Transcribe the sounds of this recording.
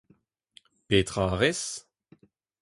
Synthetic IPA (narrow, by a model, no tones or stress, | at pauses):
peːt̪ʁaʁɛs